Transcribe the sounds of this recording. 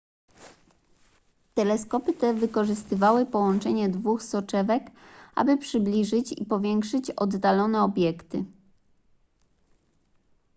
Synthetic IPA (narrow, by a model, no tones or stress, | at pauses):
t̪ɛlɛskɔpɘt̪ɛvɘkɔʐɘst̪ɘvawɘpɔwɔnt͡ʂɛɲɛd̪vuxsɔt͡ʂɛvɛkʔa̰bɘpʂɘblʲiʐɘt͡ɕḭpɔvʲjɛŋkʂɘt͡ɕɔd̪ːalɔnɛɔbʲjɛkt̪ɘ